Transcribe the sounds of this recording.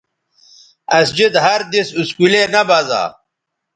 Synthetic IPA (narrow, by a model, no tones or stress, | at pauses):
ɐsd͡ʑid̪ɦɐɾd̪isuskulenɐbaza̰ː